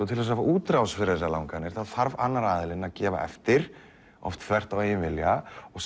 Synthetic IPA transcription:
ut̪ʰɪlɛs̬avaʔuːt̪ɾawsfɪɾɪɾðɛs̬aɾlawŋkanɪɾ̥θaðθaɾvanːaɾaːðɪlɪnacɛːva̰ɛ̰ft̪ɪɾ̥ | ɔ̰ft̪θvɛr̥t̪aweːjʏnvɪljaɔɣs

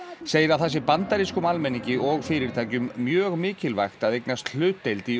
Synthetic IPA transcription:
seːjɪɾawθɛsːɪpant̪aɾiskʏmalmɛnːiɲcɪʔɔɣfɪːɾɪɾt̪ʰaːjcʏmːjœːɣmɪːcɪlva̰jxt̪aðejknast̪l̥ʏːt̪ːejlt̪i

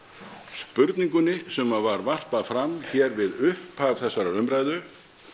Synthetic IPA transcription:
spʏɾt̪niŋkʏnɪsɛmavaɾvar̥pafɾamçɛːɾvɪðʏhpavθɛsːaɾaʏmɾajðʏ

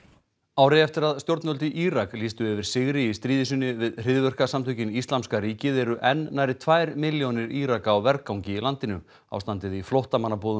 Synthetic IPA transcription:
aːwɾejɛft̪ɪɾaðst̪joɾt̪nœlt̪ɪʔiɾakliːst̪ʏɛvɪɾ̥sɪɣɾɪist̪ɾiːðɪsʏnːɪvɪðr̥ɪðvœr̥kasamt̪ʰʏɥcɪnist̪lamskaɾiːcɪðɛɾʏʔɛnːajɾɪt̪ʰvaːjɾmɪljonɪɾiɾakawvɛɾkawɲcɪilant̪ɪnʏ | a̰wst̪ant̪ɪðiflɔht̪amanːapɔːðʏ

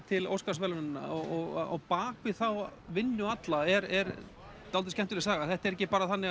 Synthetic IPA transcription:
t̪ʰɪlo̰wskasvɛlanɪnːa̰ɔɣɔɣ̰a̰wpaːkvɪθawvɪnːʏat̪laɛɾɛɾ | t̪alt̪ɪscɛmt̪ʏlɪsaːɣaθɛht̪aɾɛcːɪpaːɾaθanːɪɣ

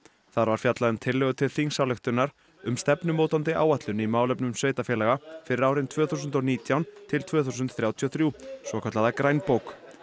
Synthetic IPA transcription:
θaɾvaɾ̥fjat̪laðʏnt̪ʰɪlːɛɣʏt̪ʰɪlθiŋsawlɛxt̪ʏnːaɾ̥ | ʏmst̪ɛpnʏmoːwt̪ant̪ɪʔa̰ːwaht̪lʏnimaːwlɛpnʏmsveːjt̪afjɛlaɣafɪɾɪɾaːwɾɪnt̪ʰvœːθuːsʏnt̪ɔniːt̪jawnt̪ʰɪlt̪ʰvœːθusʏnt̪θɾawt̪ʰiɔθɾjusvɔkʰœt̪laðakɾajnpowk

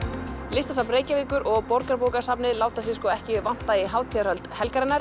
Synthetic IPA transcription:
lɪst̪asapnɾeːjcaviːkʏɾʔɔɣpɔɾkaɾpowkaɾsapnɪlaːwt̪asɪskɔːɛhcɪvɪvan̥t̪aɪɦaːwt̪ʰiaɾhœlt̪hɛlkaɾɛnːaɾ̥

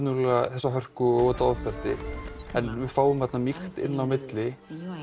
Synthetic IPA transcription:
nʏɾlɛaθɛsːaɦœr̥kʏɔɣvɔt̪aɔðpɛr̥t̪ɪ̰ɛnvɪðfaːwʏmvat̪namixt̪ɪ̰nːawmɪt̪lɪ

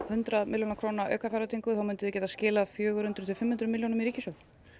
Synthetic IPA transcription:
hʏnt̪ɾaðmɪljonakʰɾoːwnaœ̰ːkafajɾat̪ʰiŋkʏθawmʏnt̪ɪðʏcɛːt̪ascɪːlaðfjœːɣʏɾhʏnt̪ɾʏ̥t̪ʰɪlfɪmhʏnt̪ɾʏmɪljownʏmiɾiːcɪsjowð

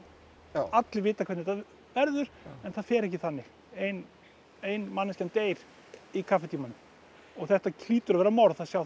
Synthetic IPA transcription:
at̪lɪvɪːt̪akʰvɛt̪nɛt̪a | vɛɾðʏɾ̥ɛnθaðfɛːɾɛhcɪθanːɪ | ejn | ejnmanːɪscɛnt̪eːjɾ̥ | ikʰafɛt̪ʰiːmanʏm | ɔɣθɛht̪acʰliːt̪ʏɾavɛːɾamɔɾðθasjaːw

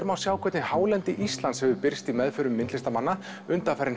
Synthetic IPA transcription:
ɾmawsjaːwkʰvɛːt̪nɪnhaːwlɛnt̪ɪʔist̪lansɛvʏpɪɾ̥st̪imɛðfʏɾʏmːɪnt̪lɪst̪amanːa | ʏnt̪afɛɾɪn

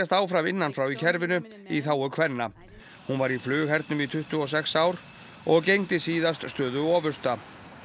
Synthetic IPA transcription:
ast̪aːwfɾavɪnːanfɾawicʰɛɾvɪnʏ | iθaːwʏkʰvɛnːa | hunvaɾiflʏːɣɦɛɾt̪̚nʏmit̪ʰʏht̪ʏɔs̬ɛksaːwɾ̥ | ɔɣcejŋt̪ɪsiːðast̪st̪œːðʏɔːvʏst̪a

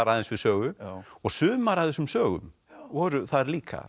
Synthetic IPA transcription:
aɾaðɛnsvɪðsœːɣʏɔɣsʏːmaɾaðɛsʏmsœːɣʏ̰m | vɔɾʏθaðɾliːkʰa̰

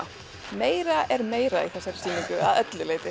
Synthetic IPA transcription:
meːjɾaʔɛɾmeːjɾaḭθɛsːaɾ̥siːmiŋkʏaðœt̪lʏleːjt̪ɪ

